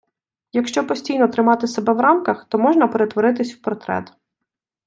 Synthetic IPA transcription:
jɐkʃt͡ʃɔpɔsʲtʲijnɔt̪ɾɪmɑt̪ɪsebɛʋɾɑmkɐxt̪ɔmɔʒnɐpeɾet̪ʋɔɾɪt̪ɪsʲwpɔɾt̪ɾɛ̰t̪

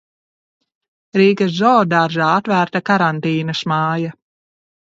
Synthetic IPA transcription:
ɾiːkaszɔːd̪aɾʒaːat̪væːɾt̪akaɾant̪iːnɐsmaːja

